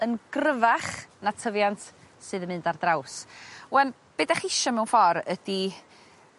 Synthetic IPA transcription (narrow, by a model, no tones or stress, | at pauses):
ənɡrəvaχnatʰəvjantʰsɨːðəmɨndardrawswɛn | b̥edaχɪʃɔmɛwnfɔɾəd̥i